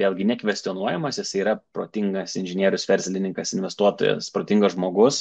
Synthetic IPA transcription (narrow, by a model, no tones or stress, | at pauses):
ʋʲeːlˠɡʲɪnʲɛkʋʲɛsʲt̪ʲɪɔnuɔjɛmɐsjɪsɐɪiːɾɐpɾo̰ːt̪ʲɪŋɡɐsɪnʲʒʲɪnʲiɛɾʲʊsʋʲɛɾʲsʲlʲɪnʲɪŋkɐsɪnʲʋʲɛst̪uɔt̪o̰ːjɛ̰spɾoːt̪ʲɪŋɡosʒmoːɡʊs